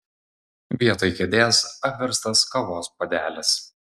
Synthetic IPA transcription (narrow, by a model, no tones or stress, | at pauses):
ʋʲiɛt̪oːjkʲɛd̪ʲeːsɐpʲʋʲɛɾst̪ɐskɐʋoːspɐd̪ʲæːlʲɛs